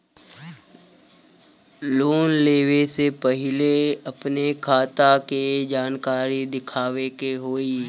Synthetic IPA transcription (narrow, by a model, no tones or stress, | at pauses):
loːnleːʋesepɐɦɪleɐpnekʰaːt̪aked͡ʒaːnkaːɾid̪ɪkʰaːwekeɦoːi